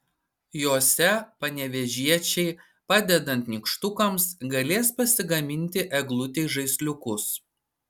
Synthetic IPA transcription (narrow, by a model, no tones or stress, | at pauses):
joːsʲɛpɐnʲɛʋʲɛʒʲiɛt͡ʃʲɛɪ | pɑd̪ʲɛd̪ɐnʲt̪nʲɪkʃt̪ʊkɐmsɡɐlʲeːspɐsʲɪɡɐmʲɪnʲt̪ʲɪʔɛɡlˠʊt̪ʲɛɪʒɐɪsʲlʲʊkʊs